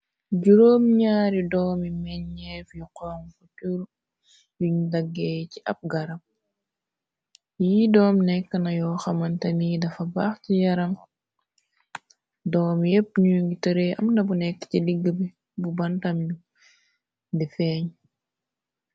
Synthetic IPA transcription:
ɟuɾoːmɲaːɾidɔːmimɛɲɲɛfjuqɔŋfutuɾ | juɲudɐɡːɛːjciʔɐp̚ɡɐɾɐm | jidɔːmnɛkːɐnɐjɔxɐmɐntɐnidɐfɐbaːxcijɐɾɐŋ | dɔːmjɛpːɲujuŋɡitəɾeʔɐ̰mdɐbunɛkːciliɡːəbi | bubɐntɐmju | difɛːɲ

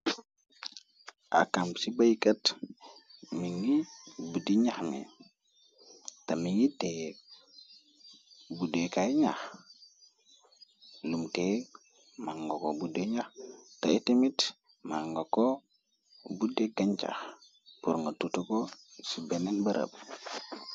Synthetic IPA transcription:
a̰kamsibajkɐt | miŋibudiɲaxmḛ | tamiŋite | budekaɲax | lumte | maŋɡokobudeɲaxtaitemit | maŋɡoko | budeɡaɲt͡ʃa̰x | puɾŋɡɐtutukosibɛnɛnbɐɾɐ̰b̚

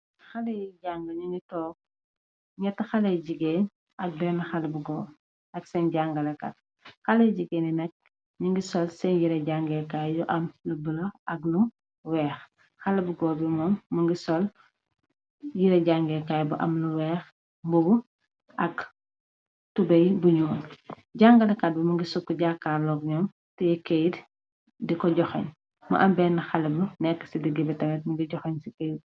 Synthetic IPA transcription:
xɐlɐjɟaŋɡɐɲiŋɡitɔːk̚ | ɲɐtːɐxɐlɐjɟiɡeːn | ɐk̚bɛnxɐlbuɡɔː | ɐksɛnɟaŋɡɐlɐkɐ̰t̚ | xɐlɐjɟiɡeːninɐk̚ | ɲiŋɡisɔlsɛnjiɾɐɟaŋɡɛkaːjjuʔɐmlubəlɐɐɡlu | wɛːx | xɐlɐbuɡɔːbimɔmːuŋɡisɔl | jiɾɛɟaŋɡɛkaːjbuʔɐmluwɛːx | mbubu | ʔɐk | tubɐjbuɲun | ɟaŋɡɐlɐkɐt̚bimuŋɡisukːuɟakːaːrlɔːɡɲɔːm | tɛjikejd | dikɔɟɔxɐ̰ɲ | mɐ̰ʔɐmbɛːnɐxɐlɐbunɛkːə̥sidəɡibɛtɐmɛt̚mɐŋɡiɟɔxɐɲsikɐj

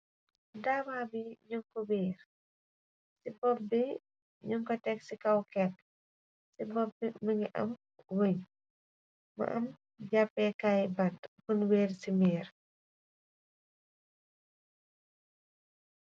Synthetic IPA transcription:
daːmabiɲuŋkɔweːɾ | sibɔbbɛ | ɲuŋkɔtɛksikɐwkɛt̚ | sibɔbɛmɐŋiʔɐ̰m | woɲ | mɐ̰ʔɐ̰m | ɟapːɛkajbɐtkunweːrsimɛːɾ

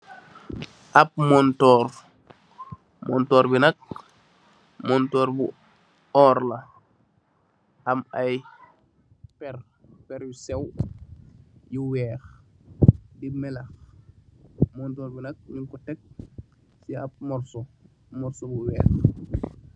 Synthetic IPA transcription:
ʔap̚mɔntɔːɾ | mɔ̰ntɔːɾbinak̚ | mɔntɔːɾbṵ | ɔːɾla | amaj | pɛr | pɛɾjusew | juwɛːx | dimɛlɐx | mɔntɔːɾbinɐk̚ɲiŋkutɛk̚ | siap̚mɔɾso | mɔɾsobuwɛːx

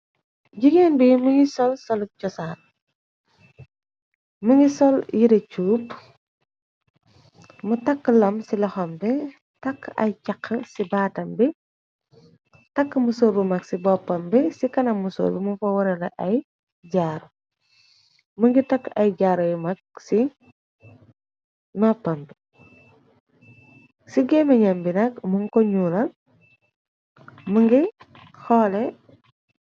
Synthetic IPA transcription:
ɟiɡenbimuŋɡisɔlsɔlcɔsaːn | muŋɡisɔljiɾɐt͡ʃuːp | mutɐkːlɐmsilɐxɔmbɛ | tɐkːɐ̰jcɐkʰːəsibaːtɐmbi | tɐkːmusoːbumɐksibɔpːɐmbɛsikɐnɐmuso̰ːbimufɐwɐɾɐlɐʔɐj | ɟaːɾo | muŋɡitɐkːɐjɟaːɾɐjmɐk̚si | nɔpːɐmbi | siɡɛmɐɲɐmbinɐkmuŋkɔɲulɐ | muŋɡi | xɔlɛ

